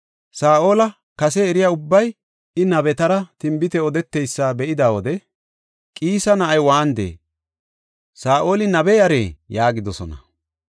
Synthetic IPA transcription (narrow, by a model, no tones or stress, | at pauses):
saːʔo̞ːlɐ | kɐsɛːɾɪjaːʊbːɐj | ɪnɐbɛt̪ɐɾɐt̪ɪmbɪt̪ɛɔd̪ɛt̪ːejsːabɛʔɪd̪aːwɔd̪ɛ | kʼiːsɐnɐʔɐjwaːnd̪ḛː | saːʔo̞ːlɪnɐbɛjɐɾḛːjaːɡɪd̪ɔsɔnɐ̰